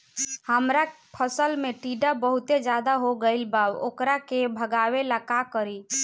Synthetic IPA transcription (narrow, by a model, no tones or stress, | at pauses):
həmɾa | pʰəsəlmeʈiɖabəɦut̪ed͡ʒad̪aɦoɡəɪlbabo̰kɾakebʱəɡawelakakəɾi